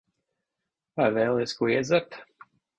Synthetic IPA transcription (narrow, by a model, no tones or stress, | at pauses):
vajvɛːlˠɛskuɔiɛd̪zaɾt̪